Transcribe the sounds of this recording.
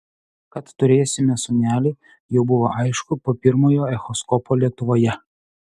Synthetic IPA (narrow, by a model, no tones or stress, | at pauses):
kɐt̪ːʊɾʲeːjosʲɪmʲɛsʊnʲæːlʲɪ | jɛʊbʊʋoʔɑɪʃkʊpoːpʲɪɾmoːjoːɛxɔskɔpʰoːlʲiɛk̚t̪ʊʋoːjɛ